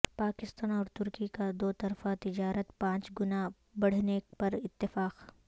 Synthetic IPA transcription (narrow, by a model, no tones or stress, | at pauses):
paːkɪst̪aːnɔːɾt̪ʊɾkikad̪oːt̪ɐɾfat̪ɪd͡ʒaːɾət̪pãːt͡ʃɡʊna | bɐɽ̤nepɐɾɪt̪ːɪfaːq